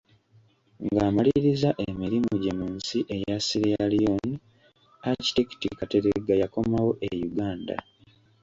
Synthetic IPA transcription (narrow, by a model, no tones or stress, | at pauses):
ŋɡaːmaliɾizaʔemiɾimuɟe̞munsiʔe̞jasiɾialijon | aci̥tiki̥tikateɾeɡajako̞mawo̞ʔejuɡaːnda̰